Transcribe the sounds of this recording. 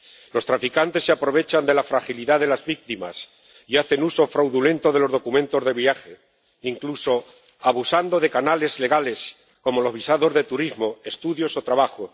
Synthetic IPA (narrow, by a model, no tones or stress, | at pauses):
lo̞st̪ɾafikant̪e̞sːeapɾo̞β̞e̞t͡ʃand̪e̞lafɾaxiliðaðe̞lazβik̚t̪ima̰s | iaθe̞nuso̞fɾawðule̞nt̪o̞ðe̞lo̞zð̞o̞kumẽnt̪o̞zðe̞βiaxe̞ | iŋkluso̞ | aβ̞usand̪o̞ð̞e̞kanale̞zle̞ɣ̞ale̞s | ko̞mo̞lo̞zβ̞isaðo̞zðe̞t̪uɾizmo̞e̞st̪uðjo̞so̞t̪ɾaβaxo